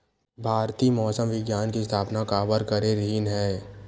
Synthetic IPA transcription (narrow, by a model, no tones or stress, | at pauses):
bʱaːɾt̪iːmɔːsəmʋɪɡjaːnkist̪ʰaːpnakaːbəɾkɐɾeɾɦinɦɛː